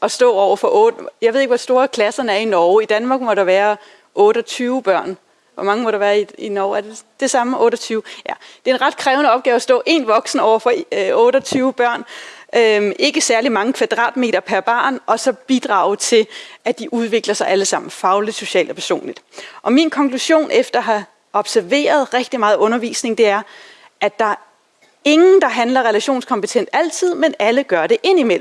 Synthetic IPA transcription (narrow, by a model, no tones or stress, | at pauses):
ɒ̽sd̥ɔ̰̽ːɒʊ̰ɐfɒ̽ʔɔːdjɑʋe̝ðˠe̝ɡ̥ʋɒ̽sd̥o̝ːɐkʰlæsɐnəæɐinɒʊid̥ænmɑ̈ːɡ̥mɒ̽ɾ̥ɑ̈ʋæːɐ | ʔɔ̽ːɾ̥ɒt͡sʰyːʊb̥ɶɐ̰n | ʋɒmɑ̈ŋəmɒɾɑ̈ʋæːɐiinɒʊæɐded̥e̝sɑ̈məʔɔ̽ːɾ̥ɒt͡sʰyːʊjæd̥e̝e̝nʁɑ̈d̥̚kʰʁɛːʊnəɒ̽b̥̚ɡ̥ɛːʊɐsd̥ɔ̰̽ːʔe̝ːnʋɒ̽ɡ̥sn̩ɒʊɐfɒ̽ɔ̽ːɾ̥ɒt͡sʰyːʊb̥ɶɐ̰nʔømʔe̝ɡ̥əsæɐlimɑ̈ŋəkʰʋæd̥ʁɑ̰̈ːd̥me̝̰ːd̥ɐpʰæɐb̥ɑ̈ːnɒ̽sɒ̽b̥id̥ʁɑ̈ːʊt͡sʰe̝lʔæd̥iʔuð̞ˠʋe̝ɡ̥lɐsɑ̈ɪʔæləsɑ̈m̰n̩fɑ̈ʊlid̥so̝ɕɛ̰ːld̥ɒpʰæɐso̝̰ːnlid̥ʔɒ̽minkʰɒ̽ŋkʰluɕo̝̰ːnʔefd̥ɐɦɑ̈ | ɒ̽b̥sæɐʋe̝̰ːɐð̞̩ˠʁɛɡ̥̚d̥imɑ̈ːð̩ˠʔɔ̽nɐʋḭːsne̝ŋd̥e̝æɐ | ʔæd̥ɑ̈ | e̝ŋn̩d̥ɑ̈ɦænlɐʁɛlæɕo̝̰ːnskʰɒ̽mpət͡sʰen̰d̥æl̰t͡sʰið̞̰ˠmenæləɡ̥ɶɐde̝ʔe̝n̰imel̰m̩